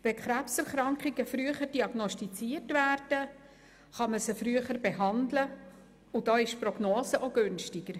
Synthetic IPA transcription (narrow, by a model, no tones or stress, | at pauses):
ʋɛkχɾæpsɛɾχɾɑŋkχiɡəfɾyəχəɾd̥iɑɡnɔstit͡siːrtvæːɾd̥ə | χɑməsəfɾyəχəɾbeɦɑndlə | udɑːɪʃprɔɡ̥noːsəʔoɡɵnʃtɪɡ̥əɾ